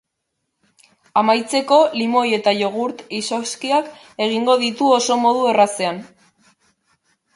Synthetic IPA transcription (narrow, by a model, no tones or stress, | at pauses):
amajt͡se̞ko̞limo̞je̞t̪aʝo̞ɣ̞uɾt̪isoskiak | e̞ɣ̞iŋɡo̞ð̞it̪uo̞so̞mo̞ð̞ue̞rase̞an